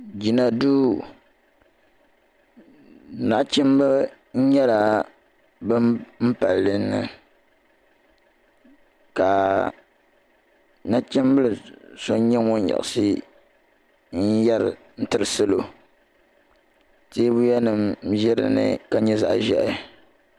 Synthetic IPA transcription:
d͡ʒi˨na˨duː˦ | na˨ʔt͡ʃɛ˦m˦bɨ˦ | ɲ̩˦ɲɛ˦la˨ | bɨ˦mm̩˦pa˨lːɨ˦nːɨ̰˨ | ka˨ | na˦ʔt͡ʃɪ˦mbɨ˦lɨ˨so˦ɲ˦ɲɛ˦ŋo˦ɲ˦ja̰˨ʔsi˦ | ɲ̩˦jɛ˦ɾɨ̰˨ | n̩˦tɨ˦ɾɨ˨sɨ˦lo˨ | teː˦bu˦jɛ˦nɨ˨mʒɛ˦ɾɨ̰˨nɨ̰˨ka˦ɲɛ˦za̰˨ʔʒɛ̰˦ʔɪ˨

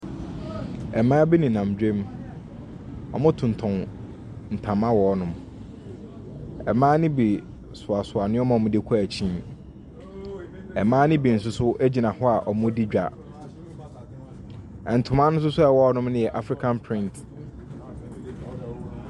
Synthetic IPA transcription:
ɛ˨mãː˦bi˦nĩ˨nã˨m˨d͡ʑᶣẽ˦m | ɔ̰˨mʊ̃˦tʰʊ̃˨n˨tʰʊ̃˨n | n̩˨tʰã˨mã˦wɔː˨˦nʊ̃˦m | ɛ̰˨mãː˦nɪ̃˦bi˨ | sʊ˨a˨sʊ˨a˨nʊ̃˦ɔ˦mã˨ɔ˨mʊ̃˦de˦kʰu˦æ˨t͡ɕʰĩ˦n | ɛ˨mãː˦nɪ̃˦bi˨n̩˨sʊ˦sʊ˦ʔæ˦d͡ʑi˨nã˨hʊ˦a˨ʔɔ˨mʊ̃˦di˦d͡ʑᶣa̰˨ | ɛ˨n̩˨tʰʊ̃˨mã˦nʊ̃˦s̬ʊ˦sʊ˦ɛ˨wɔ˦nʊ̃˦m˦nɪ̃˦jɛ˨ʔa˨fɾi˨kʰã˨npʰɾɪ̃˦nt

